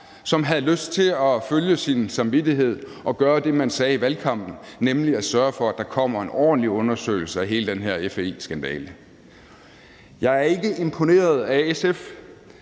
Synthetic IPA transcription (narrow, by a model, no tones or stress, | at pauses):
sɒ̽mɦæðˠløsd̥̚t͡sʰe̝lɒføljəsinsɑ̈mʋidiɦe̝ð̞̰ˠ | ʔɒ̽ɡ̥ɶːɐd̥e̝mænsɛːiʋælkʰɑ̈m̰b̥n̩nemliæsɶɐfɒ̽æd̥ɑ̈kʰɒ̽m̰ɐe̝nʔɒ̰ːd̥n̩liɔ̽nɐsø̰ːɪl̩səæɦe̝ːləd̥enɦeɐ̰efesɡ̥ænd̥ɛ̰ːlə | jɑ̈ɪæɐe̝ɡ̥əe̝mpʰo̝ne̝̰ːɐð̞̩ˠæesef